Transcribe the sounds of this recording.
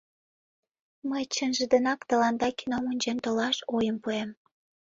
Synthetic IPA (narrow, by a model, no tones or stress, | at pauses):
məjt͡ɕənʒə̆d̪ə̆nɑkt̪əlɑnd̪ɑkinomunʲd͡ʑent̪olɑʃojəmpuem